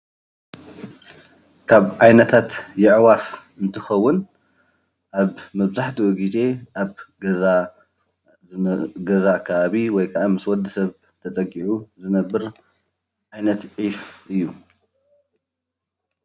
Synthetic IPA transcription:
kʰaβʕajnɐt̪ʰat̪jɪʕwafʔɨnt̪ʰɨxɐwːʊn | ʔaβmɐβzaħt̪ʰiwoɡize̞ʔaβɡɐza | ɡɐzakʰɐβaβiwɔjkʰɐʔamɨswɔd̪ɨsɐβ | t̪ʰɐt͡sʼɐɡiʕuzɨnɐbːɨɾ | ʕajnɐt̪ʕifʔɨjːu

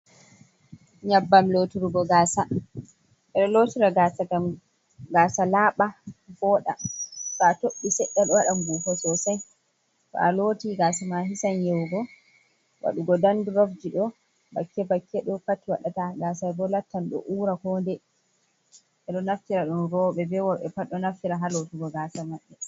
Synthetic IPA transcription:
ɲabːamloːtiɾuɡɔɡaːsa | ʔɛɗɔloːtiɾaɡasaa | ɡaːsalaːɓabɔːɗa̰satoɓːisɛɗːalɔwaɗamɡufɔsɔsaj | tɔ̰aloːtiɡasamaɦisanjɛwɡɔ | wa̰ɗuɡɔdanduɾɔfd͡ʒiɗɔ | ba̰kːɛbakʰːɛɗɔpatːiwa̰ɗataɡaːsaɡɔlatːanɗɔ̰ʔuːɾakɔndɛ | ɛɗɔnaftiɾaɗunɾɔːɓɛbɛwɔɓɛpaɗɔnaftiɾaɦalotiɡɔɡaːsamaɓːɛ

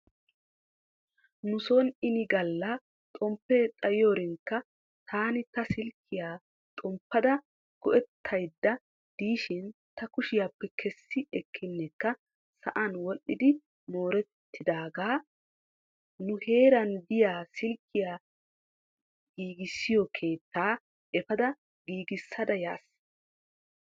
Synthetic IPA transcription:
nʊsɔnɪnɪɡɐlːɐ | t̪ʼɔmpːɛt̪ʼɐjɪjoːɾɪŋkːɐ | t̪ʰaːnɪt̪ɐsɪlkʰːɪjaː | t̪ʼɔmpːɐd̪ɐ | ɡ̥ɔʔɛt̪ʰːɐjd̪ːɐ | d̪̥iːʃɪnt̪ɐkʊʃɪjaːpːɛkʰɛsːɪɛkʰːɪnːɛkːɐ | sɐʔɐnwɔʔːɪd̪ɪ | mo̞ːɾɛt̪ʰːɪd̪aːɡaː | nʊhe̞ːɾɐnd̪ɪjaːsɪlkʰːɪjaː | ɡiːɡɪsːɪjɔkʰe̞ːt̪ːaː | ʔɛfɐd̪ɐ | ɡiːɡɪsːɐd̪ɐja̰ːs

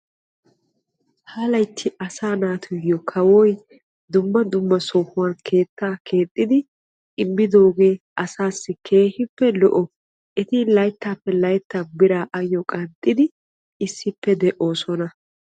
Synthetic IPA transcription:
haːlɐjt̪ʰːɪʔɐsaːnaːt̪ʰʊjɪjɔkʰɐwɔj | d̪ʊmːɐd̪ʊmːɐsoːhʊwɐnkʰe̞ːt̪ʰːaːkʰe̞ːt̪ʼːɪd̪ɪ | ɪmːɪd̪o̞ːɡe̞ː | ɐsaːsːɪkʰe̞ːhɪpːɛlɔ̰ʔɔ | ʔɛt̪ɪlɐjt̪ːaːpːɛlɐjt̪ːaːbɪɾaːʔɐjːɔkʼɐnt̪ʼːɪd̪ɪ | ɪsːɪpːɛd̪ɛʔo̞ːsɔnɐ

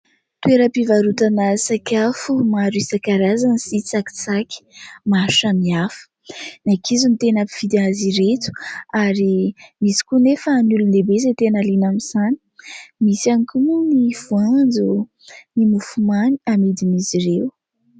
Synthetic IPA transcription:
t̪ueɾəpivaɾut̪anasakʲafumaɾisakaɾazansit͡saki̥t͡sakʲi̥maʃamiafə̥ | nakʰizunt̪enapi̥v̥id̪aziɾet̪u̥aɾimisi̥kunefənulunebez̬et̪enalinamiz̥ani̥misianikumuniv̥uand͡zu | nimufumaniamed̪imiziɾew

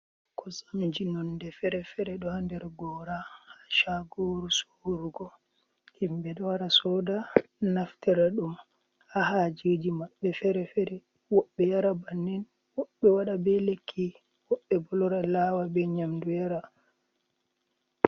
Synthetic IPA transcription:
kɔsamd͡ʒinɔndɛfɛɾɛfɛɾɛɗɔhandɛɾɡɔːɾahḁʃaɡoɾusoɾuɡɔ | himbɛɗɔwaɾasɔdanaftɛɾaɗum | hahad͡ʒed͡ʒimaɓːɛfɛɾɛfɛɾɛ | wɔɓːɛjaɾabanːɛn | wɔɓːɛwaɗabɛlekʰːi | wɔɓːɛbɔlɔɾalawabɛɲamdujaɾa

